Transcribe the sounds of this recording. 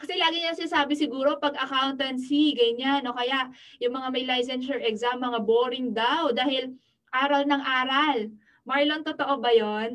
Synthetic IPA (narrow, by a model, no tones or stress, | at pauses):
kɐsɛlaːɡɪɲɐaŋsɪnaːsaːbɪsɪɡuːɾo̞pɐɡʔɐkawnt̪ɐnsiɡɐɲanːo̞kɐjaʔjʊŋmɐŋamɐjlajs̬ɛnʃɛɹʔɛkzamːɐŋaboːɾɪŋd̪awd̪aːhɪl | ʔaːɾɐlnɐŋʔaːɾɐl | majlɐŋt̪ot̪oʔobɐjo̞n